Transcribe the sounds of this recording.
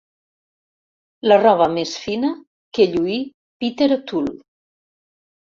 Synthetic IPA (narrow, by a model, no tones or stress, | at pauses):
larɔβ̞əmesfinə | keʎui | pit̪eɾt̪ul